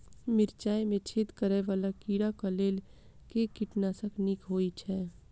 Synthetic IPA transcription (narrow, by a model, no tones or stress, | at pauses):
mɪɾt͡ʃaːemẽt͡ʃʰɪt̪kəɾeʋaːlakiːɽakəleːl | kekɪʈnaːsəknikɦoːit͡ʃʰɛː